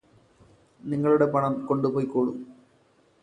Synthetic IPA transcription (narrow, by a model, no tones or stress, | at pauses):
niŋːɐɭuɽe̞pɐɳɐmko̞ɳɖupoːjkːoːɻṵm